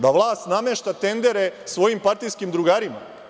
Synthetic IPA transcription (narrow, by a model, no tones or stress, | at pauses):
d̪aʋlˠaːst̪nameʃt̪at̪e̞nd̪e̞ɾesʋo̞jimpaɾt̪iskimd̪ɾuɡaːɾima̰